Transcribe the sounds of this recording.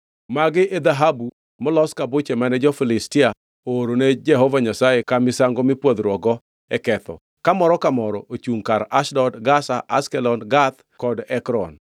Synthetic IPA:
maɡɪʔed̪aɦabu | mɔlɔskabʊt͡ʃɛmanɛd͡ʒɔfɪlɪstɪa | ooɾoned͡ʒɛɦɔvaɲasajekamɪsaŋɡɔmɪpwod̪ɾwɔɡɔ | ɛkɛt̪ɔ̰ | kamɔɾɔkamɔɾɔʔot͡ʃuŋkaɾaʃdɔdɡasaʔa̰skɛlɔnɡat̪ | kɔdɛkɾɔ̰n

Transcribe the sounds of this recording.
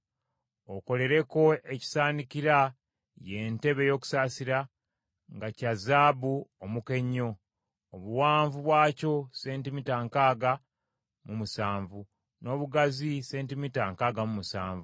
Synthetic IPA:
oko̞le̞ɾe̞ko̞e̞ci̥saːnikiɾa | je̞ːnte̞βe̞jo̞ːku̥saːsiɾa | ŋɡacazaːbuomuke̞ɲːo̞ː | βuwaːɱvuβwaːco̞se̞ːntimitaŋkaːɡa | mumusaːɱvu | no̞ːβuɡazise̞ːntimitaŋkaːɡamumusaːɱvu

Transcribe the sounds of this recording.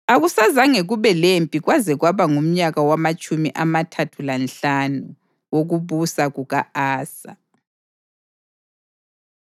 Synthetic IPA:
aɣusazaŋeɣuβɛlempʼiɣwazɛɣwaβaŋum̩ɲaɣawamat͡ʃʼumiʔamatʰatʰulanɬanu | woɣuβusaɣuɣaaːsa̰

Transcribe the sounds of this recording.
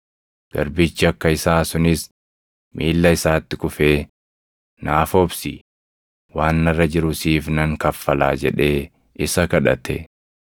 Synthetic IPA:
ɡ̥ɐɾbɪt͡ʃːɪɐkːɐɪsaːsʊnɪs | mʔiːlːɐɪsaːt̪ːɪkʊfe̞ː | naːfobsi | waːnːɐrːɐd͡ʒɪɾʊsiːfnɐŋkɐfːɐla̰ːd͡ʒɛ̰ᶑe̞ː | ɪsɐkɐᶑɐ̰t̪ʰɛ

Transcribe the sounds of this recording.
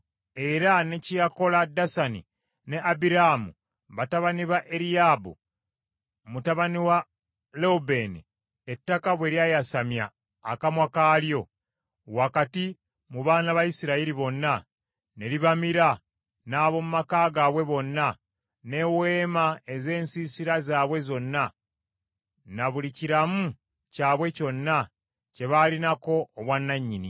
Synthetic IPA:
e̞ɾane̞cijako̞ladːasanḭ | ne̞ʔabiɾamṵ | βataβaniβaʔeɾiabṵ | mutaβaniwa | loube̞nḭ | etːakaβwe̞ɾjajasamja̰ː | kamwakaːljo̞ | wakati | muβaːnaβaisiɾaiɾiβo̞nːa | ne̞liβamiɾa | naːβo̞mumakaːɡaβwe̞βo̞nːa | ne̞we̞ːmae̞ze̞ːnsisiɾazaːβwe̞zo̞nːa | naβuliciɾamu | caːβwe̞co̞nːa | ce̞βalinako̞ːβwanːaɲːini

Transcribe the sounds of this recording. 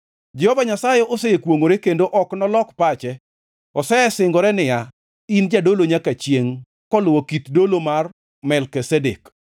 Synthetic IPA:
d͡ʒɛhɔvaɲasajɛʔoseekwoŋoɾekendoʔɔknɔlɔkpat͡ʃɛ | ɔsɛsɪŋɡɔɾɛnɪja | ind͡ʒadoloɲakat͡ʃjeŋ | kɔlʊwokit̪dolomar | mɛlkisɛdek

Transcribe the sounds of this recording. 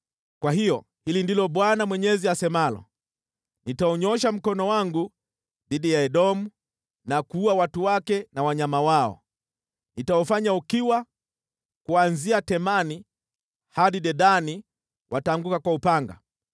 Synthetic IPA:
kwaɦijɔ | hilindilɔɓwanamwɛɲɛziasɛmalɔ̰ | nitaɔɲɔʃam̩kɔnɔwaŋɡu | ðiɗijaɛɗɔmu | nakuuawatuwakɛnawaɲamawaɔ̰ | nitaɔfaɲaukiwa | kuanziatɛmani | haɗiɗɛɗani | wʔataːŋɡukakwaupaŋɡa̰

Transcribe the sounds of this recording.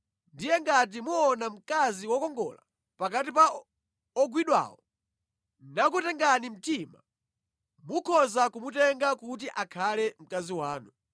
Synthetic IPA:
ndijɛŋɡat̬imuɔnam̩kaziwɔkɔŋɡɔ̰la | pakatipa | ɔɡwiɗwa̰ːwɔ | nak̬utɛŋɡanim̩tima̰ | mukʰɔzakumutɛŋɡakut̬iʔakʰalɛm̩kaziwaːnu

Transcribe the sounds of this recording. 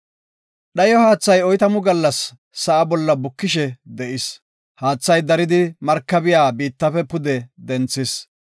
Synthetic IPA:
ɗɐjɔhaːt͡sːɐjɔjt̪ɐmʊɡɐlːɐsː | ɐʔɐbɔlːɐbʊkːɪʃɛd̪ɛʔɪs | haːt͡sːɐjd̪ɐɾɪd̪ɪmɐɾkːɐbɪjaːbiːt̪ːɐfɛpʊd̪ɛd̪ɛnt͡sːɪs

